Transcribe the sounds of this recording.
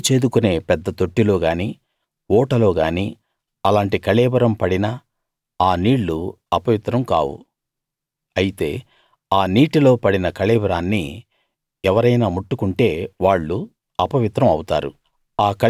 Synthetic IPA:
t͡ʃeːd̪ukune̞ːpɛd̪ːɐt̪o̞ʈːilo̞ːɡaːniː | ɔːʈɐlo̞ːɡaːniː | ɐlaːɳʈikɐɭɛːbɐɾɐmpɐɽinɐ | aːniːɭːu | ɐpɐʋit̪ɾɐmka̰ːwṵ | ɐjit̪e̞ː | aːniːʈilo̞ːpɐɽinɐkɐlɛːbɐɾaːnːi | ɛʋɐɾɐjnaːmuʈːukuɳʈe̞ːʋaːɭːu | ɐpɐʋit̪ɾɐmɐwut̪a̰ːɾṵ | aːkɐ

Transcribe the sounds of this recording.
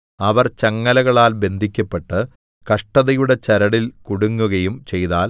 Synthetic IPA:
ɐʋɐrt͡ɕɐŋːɐlɐɣɐɭaːlbe̞nd̪ʱikʲːɐpːeʈːɨ | kɐʂʈɐðɐjuɽe̞t͡ɕɐɾɐɽilkuɽuŋːuɣɐjumt͡ɕe̞jtaːl

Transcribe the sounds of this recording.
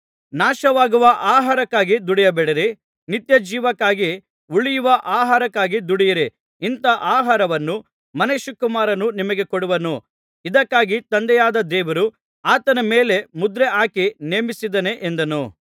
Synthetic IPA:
naːʃɐʋaːɡuʋɐʔaːɦaːɾɐkːaːɡid̪uɽijɐbɛɽɐɾi | nit̪jɐd͡ʒiːʋɐkːaːɡi | uɭijuʋɐʔaːɦaːɾɐkːaːɡid̪uɽijɐɾi | int̪ɐʔaːɦaːɾɐʋɐnːu | mɐneʃukumaːɾɐnunimɐɡe̞koɽuʋɐnu | id̪ɐkːaːɡit̪ɐnd̪ɛjaːd̪ɐd̪ɛːʋɐɾu | aːt̪ɐnɐmeːle̞mud̪ɾeʔaːkineːmisid̪ɐne̞ʔend̪ɐnu

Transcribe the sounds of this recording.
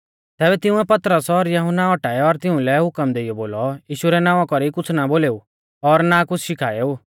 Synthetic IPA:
t̪ɛːbɛt̪ɪʊ̃ɛpɐt̪ɾəsɔɾjɐɦʊnːaɔʈaːjɔɾt̪ɪʊ̃lɛɦʊkəmd̪eːijɔboːlɔjiːʃuɾɛnãːʋãkɔɾikʊt͡sʰnaboːleːu | ɔɾnakʊt͡sʰʃɪkʰaːeːu

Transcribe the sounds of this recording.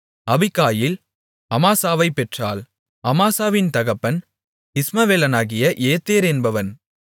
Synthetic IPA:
ɐʋɪkːaːjɪl | ɐmaːsaːʋɐɪpːɛʈraːl | ɐmaːsaːʋɪnt̪ɐɣɐpːɐn | ɪsmɐʋeːlɐnaːɣɪjɐʔeːt̪ːeːɾɛnbɐʋɐn

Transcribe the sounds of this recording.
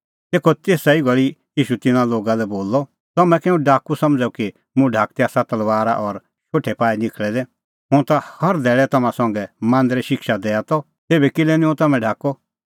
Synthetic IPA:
t̪eːkʰɔt̪eːsaiɡɐɭijiːʃut̪ɪnãloːɡalɛboːlːɔ | t̪ɐmɛ̃kɛːũɖʱaːkusɐ̃md͡zauki | mʊ̃ɖʱaːk̚t̪ɛasat̪ɐlʋaːɾa̰ʔɔɾ | ʃoːʈʰːɛpaːinɪkʰɭɛd̪ɛ | ɦʊ̃t̪ahɐɾd̪ɛːɭɛt̪ɐmãsɔ̃ŋɡɛmãːnd̪ɾiʃɪkʃad̪ɛːat̪ɔ | t̪eːbɛkɪlɛnĩɦʊ̃t̪ɐmɛ̃ɖʱaːkɔ

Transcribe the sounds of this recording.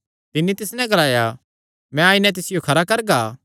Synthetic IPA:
t̪ɪnːit̪ɪsnɛ̃ɡɐlaːja | mɛ̃aːɪnɛ̃t̪̬ɪsɪjokʰɐɾakɐɾɡaː

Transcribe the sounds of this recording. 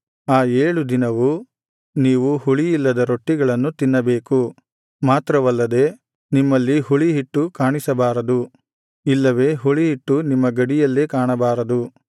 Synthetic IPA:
aːeːɭud̪inɐʋu | niːʋuhuɭijilːɐd̪ɐɾo̞ʈːiɡɐɭɐnːut̪inːɐbe̞ːku | maːt̪ɾɐʋɐlːɐd̪e̞ | nimːɐlːiɦuɭiɦiʈːukaːɳisɐbaːɾɐd̪u | ilːɐʋe̞ːɦuɭiɦiʈːunimːɐɡɐɽijɐlːekaːɳɐbaːɾɐd̪u

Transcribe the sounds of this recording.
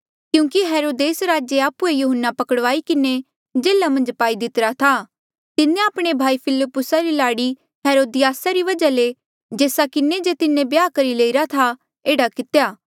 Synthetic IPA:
kjũːkiɦɛːɾoːd̪eːsɾaːd͡ʒeaːpuejuɦənːapɐkəɽʋaːikɪne | d͡ʒeːlamɐ̃nd͡ʒpaːid̪ɪt̪ɾat̪ʰa | t̪ɪnẽaːpɽ̃ebʱaːipʰɪlɪpːʊsaɾilaːɽi | ɦɛːɾoːd̪ɪjaːsaɾiʋɐd͡ʒale | d͡ʒeːsakɪned͡ʒet̪ɪnẽbjaːkɐɾileːiɾat̪ʰa | eːɽakɪt̪ejaː

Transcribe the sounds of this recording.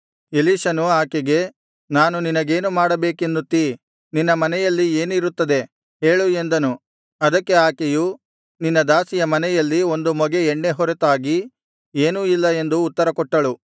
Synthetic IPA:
eliːʃɐnuaːkeɡe̞ | naːnuninɐɡe̞ːnumaːɽɐbeːke̞nd̪ut̪ːi | ninːɐmɐnɛjɐlːieːnuiɾut̪ːɐd̪e̞ | ɦe̞ːɭue̞nd̪ɐnu | ɐd̪ɐkːe̞aːkeju | ninːɐd̪aːsijɐmɐnɛjɐlːio̞nd̪umɔɡeːɳɖe̞ɦɔɾet̪aːɡi | e̞ːnuilːɐe̞nd̪uːt̪ːɐɾɐkɔʈːɐɭu

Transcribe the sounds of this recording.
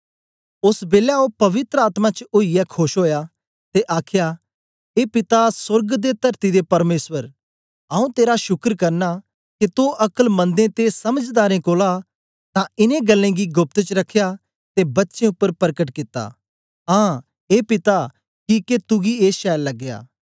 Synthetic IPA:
ʊsbeːljaũpɐʋɪt̪ɾəaːt̪mãt͡ʃʊijɛkʰoːʃɦoːja | t̪eʔaːkʰja | eːpɪt̪asʊɾɡd̪et̪ɐɾt̪id̪epɐɾmeːswəɾ | aːũt̪eːɾaʃʊkɾkɐɾna | kit̪uʔɐkəlmɐ̃nd̪ẽt̪esɐməd͡ʒd̪aːɾẽkoːla | t̪ãɪnẽɡɐlːẽɡiɡʊp̚t̪t͡ʃɾɐkʰːeja | t̪ebɐtːʃẽʊpːəɾpɐɾkəʈkɪt̪ːa̰ | ɦãː | eːpɪt̪a | kiket̪ʊɡieːʃɛːlːɐɡːeja̰ː

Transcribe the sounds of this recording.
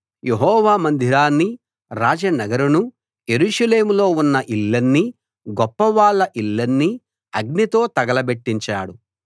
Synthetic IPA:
jeɦɔːʋaːmɐnd̪ʱiɾaːnːi | ɾaːd͡ʒɐnɐɡɐɾunu | je̞ɾuːʂɐle̞ːmulo̞ːunːɐʔilːɐnːi | ɡɔpːɐʋaːɭːɐʔilːɐnːi | ɐɡnit̪o̞ːt̪ɐɡɐlɐbe̞ʈːiɲt͡ʃaːɽu

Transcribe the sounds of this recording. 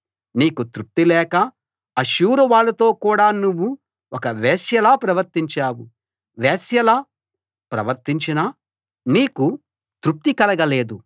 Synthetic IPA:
niːkut̪ɾup̚t̪ilɛːkɐ | ɐʃuːɾuʋaːɭːɐt̪o̞ːkuːɽaːnuʋːu | ɔkɐʋeːsjɐlaːpɾɐʋɐɾt̪iɲt͡ʃaːwu | ʋeːsjɐlaː | pɾɐʋɐɾt̪iɲt͡ʃinɐ | niːku | t̪ɾup̚t̪ikɐlɐɡɐle̞ːd̪u

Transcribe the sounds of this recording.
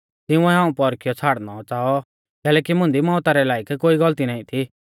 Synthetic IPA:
t̪ɪũɛɦãːũpɔɾkɪjɔt͡sʰaːɽnɔt͡saːɔ | kɛːlɛːkimʊ̃nd̪imɔ̃ːt̪aɾɛlaːɪkkoːiɡɐlt̪inaːĩt̪ʰi

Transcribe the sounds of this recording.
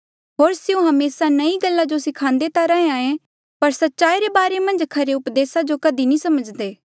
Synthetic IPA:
ɦoːɾsɪũɦɐmeːsanɐiɡəlːad͡ʒosɪkʰãːnd̪et̪aɾɐẽaːẽ | pɐɾsɐtːʃaːiɾebaːɾemɐ̃nd͡ʒkʰɐɾeʊpd̪eːsad͡ʒokɐd̪inĩsɐməd͡ʒd̪eː

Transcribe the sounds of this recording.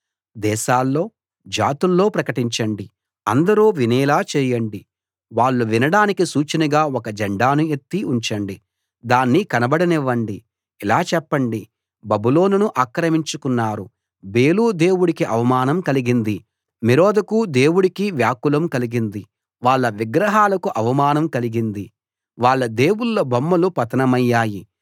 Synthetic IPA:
d̪ɛːʃaːlːo̞ː | d͡ʒaːt̪ulːo̞ːpɾɐkɐʈiɲt͡ʃɐɳɖi | ɐnd̪ɐɾuːʋinɛːlaːt͡ʃɛːjɐɳɖi | ʋaːɭːuʋinɐɽaːnikisuːt͡ʃɐnɐɡaːɔkɐd͡ʒɛɳɖaːnuet̪ːiuɲt͡ʃɐɳɖi | d̪aːnːikɐnɐbɐɽɐniʋːɐɳɖi | ilaːt͡ʃɛpːɐɳɖi | bɐbulo̞ːnunuʔaːkɾɐmiɲt͡ʃukunːaːɾu | beːluːd̪e̞ːwuɽikiʔɐʋɐmaːnɐmkɐliɡind̪i | miɾoːd̪ɐkud̪e̞ːwuɽikiʋjaːkulɐmkɐliɡind̪i | ʋaːɭːɐʋiɡɾɐɦaːlɐkuʔɐʋɐmaːnɐmkɐliɡind̪i | ʋaːɭːɐd̪e̞ːwulːobɐmːɐlupɐt̪ɐnɐmɐjːaːji

